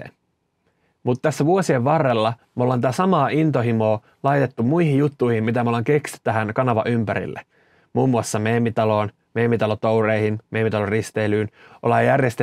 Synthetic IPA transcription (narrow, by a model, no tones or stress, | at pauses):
ḛ | mut̪ːt̪æsːæʋuosie̞ʋʋɑrːelːɑmolɑnt̪æːsɑmɑːʔint̪o̞ɦimo̞ː | lɑjt̪e̞t̪ːummuihijjut̪ːujhimmit̪æmolɑːŋke̞ksyt̪ːæɦænkɑnɑʋɑ̰ʔympæɾḭlːḛ | muːmːuɑsːɑmeːmːit̪ɑlo̞ːn | meːmːit̪ɑlot̪owɾejhinmeːmːit̪ɑlorist̪e̞ːlyːnʔolɑjjærjest̪e